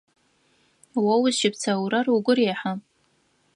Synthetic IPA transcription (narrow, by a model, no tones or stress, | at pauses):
wawʊzʃɪpʰt͡sʰawɾaruɡʷʊreħa